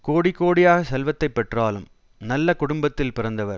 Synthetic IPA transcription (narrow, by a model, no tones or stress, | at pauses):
koːɽɪkːoːɽɪjaːɣɐsɛlʋɐt̪ːɐɪpːɛʈraːlɯm | nɐlːɐkʊɽʊmbɐt̪ːɪlpɪɾɐnd̪ɐʋɐɾ